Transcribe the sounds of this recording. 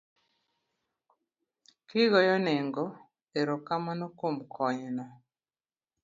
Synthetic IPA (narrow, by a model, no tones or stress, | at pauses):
kɪɣɔjɔneŋɡɔ | eɾokamanokomkʰɔɲnɔ